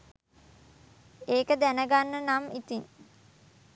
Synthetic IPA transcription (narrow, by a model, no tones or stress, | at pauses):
eːkəd̪ænəɡanːənamit̪iŋ